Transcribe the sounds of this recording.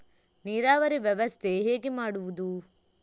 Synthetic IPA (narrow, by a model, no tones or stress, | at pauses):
niːɾaːʋɐɾiʋjɐʋɐst̪ʰe̞ɦeːɡemaːɽuʋud̪u